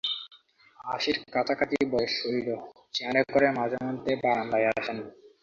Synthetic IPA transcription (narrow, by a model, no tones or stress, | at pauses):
aʃiɾkat̪ʰakʰat̪ibɔjeʃoilo | t͡ɕiɦaɾekoɾemad͡ʑamɔnt̪ebaɾanlajaʃen